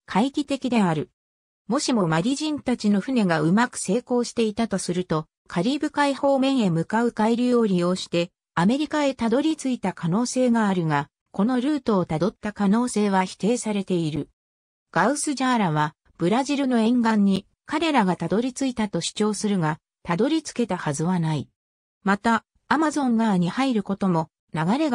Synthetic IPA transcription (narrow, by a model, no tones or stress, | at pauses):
kʰaikʲit̪e̞kʲid̪e̞aɾɯ̟ | mo̞ɕimo̞maɾʲiʑĩnt̪at͡ɕino̞ɸɯ̟ne̞ɡaɯ̟makɯ̥se̞ːko̞ːɕi̥t̪e̞it̪at̪o̞sɨɾɯ̟t̪o̞ | kʰaɾʲiːbɯ̟kaiho̞ːmẽ̞ɰ̃e̞mɯ̟kaɯ̟kaiɾʲijo̞oɾʲijo̞ːɕi̥t̪e̞ | ame̞ɾʲikae̞t̪ad̪o̞ɾʲit͡sɨit̪akano̞ːse̞ːɡaːɾɯ̟ɡa | ko̞no̞ɾɯ̟ːt̪o̞ːt̪ad̪o̞t̪ːakano̞ːse̞ːβaçi̥t̪e̞ːsaɾe̞t̪e̞iɾɯ̟ | ɡ̥aɯ̟sɨʑaːɾaβ̞a | b̥ɯ̟ɾaʑiɾɯ̟no̞ẽ̞ŋɡãɲ̟ːi | kaɾe̞ɾaɡat̪ad̪o̞ɾʲit͡sɨit̪at̪o̞ɕi̥t͡ɕo̞ːsɨɾɯ̟ɡa | t̪ad̪o̞ɾʲit͡sɨ̥ke̞t̪ahazɨβanai | mat̪aː | mazõ̞ŋɡaɲ̟ihaiɾɯ̟ko̞t̪o̞mo̞ | naɡaɾe̞ɡ